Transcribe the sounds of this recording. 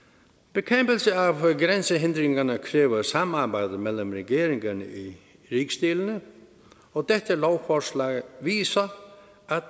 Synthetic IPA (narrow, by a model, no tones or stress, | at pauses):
b̥ɪkʰɛmpɪlsɪavɡɾɛnsɪɦɪnd̪ɾɪŋkanakʰɾɪːvasamːaɾbajðɪmɛlːʊmɾɛceːɾɪŋkanɪ̰i | ɾiːkst̪iːlɪnɪ | ɔɣt̪ɛht̪ɪlowfɔɾslaːɣviːsa | a